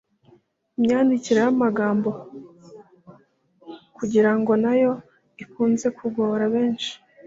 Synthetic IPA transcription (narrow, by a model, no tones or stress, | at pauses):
imɲaːndiciɾehamaɡaːmbo̞ | kuɟiɾaŋɡo̞najo̞ | ikuːnze̞kʰuɡoɾaβe̞ːnʃi̥